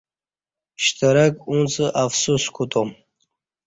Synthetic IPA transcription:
ʃt̪ʰɐɾɐkʼunt͡sʼɨʔafsuskʷʰut̪ʼom

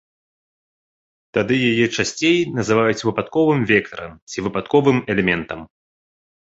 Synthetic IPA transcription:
t̪ad̪ɨjajɛt͡ʂasʲt͡sʲejnɐzɨvajut͡sʲvɨpat̪kɔvɨmvʲɛk̚t̪ɐɾɐ̰mt͡sʲivɨpat̪kɔvɨmɛlʲɛmʲɛnt̪ɐm

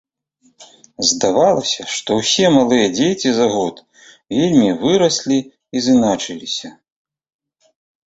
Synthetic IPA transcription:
zd̪avalˠɐsʲɐʂt̪ɔwsʲɛmalˠɨjɐd͡zʲet͡sʲizaɣɔt̪ | vʲelʲmʲivɨɾɐsʲlʲi | izɨnat͡ʂɨlʲisʲɐ

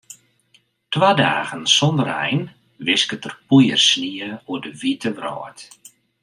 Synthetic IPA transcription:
twaːdaːɣənsɔndərɛ̰jn | ʋɪskətərpujərsniəuədəʋitəʋrɔ̰ːt

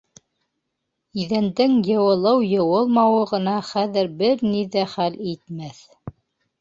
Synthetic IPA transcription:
iðænd̪ɘŋjɤ̆wɤ̆lˠɤwjɤ̆wɤlˠmɑwɤʁɤ̆nɑχæðɘɾbɘɾniðæχælit̪mæθ

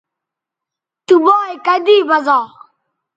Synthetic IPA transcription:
t̪ubɔːjkad̪iːbazɔː

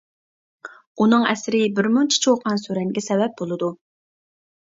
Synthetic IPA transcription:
unɨŋɛsɾɪbɪɾmunt͡ʃʰi̥t͡ʃʰiwoqʰɑnsøɾɛŋɡʲɛsɛvɛp̚bolˠɨd̪u

